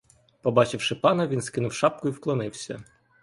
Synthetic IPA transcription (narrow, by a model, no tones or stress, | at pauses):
pɔbɑt͡ʃɪwʃɪpɑnɐʋʲinskɪnʊwʃɑp̚kʊiwklˠɔnɪwsʲɐ